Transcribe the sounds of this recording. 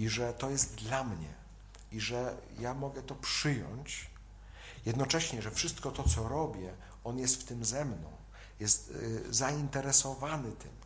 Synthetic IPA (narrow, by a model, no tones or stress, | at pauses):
iʐɛt̪ɔjɛst̪d̪lamɲɛ̰ | iʐɛjamɔɡɛt̪ɔpʂɘjɔ̰ɲt͡ɕ | jɛd̪nɔt͡ʂɛɕɲɛʐɛfʂɘst̪kɔt̪ɔt̪sɔɾɔbʲjɛ | ɔnjɛst̪ft̪ɘmzɛmnɔ̰̃w̃ | jɛst̪zaint̪ɛɾɛsɔvanɘt̪ɘm